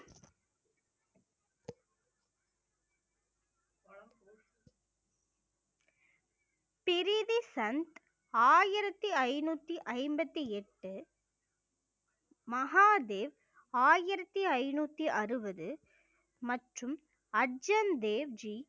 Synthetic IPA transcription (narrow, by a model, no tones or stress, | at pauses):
pɪɾɪðisɐnt̪ | aːjɪɾɐt̪ːɯɐɪnuːt̪ːiʔɐɪmbɐt̪ːiɛʈːɯ | mɐɦaːd̪eːʋ | aːjɪɾɐt̪ːiɐɪnuːt̪ːiʔɐrɯbɐðɯ | mɐʈrɯm | ɐɖd͡ʒɐnd̪eːʋd͡ʒi